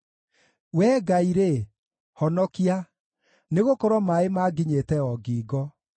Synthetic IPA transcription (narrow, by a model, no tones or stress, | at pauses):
wɛːɡaiɾe | hɔnɔkia | neɣokɔɾwɔmaemaːɡiɲetɛɔɡiːɡɔ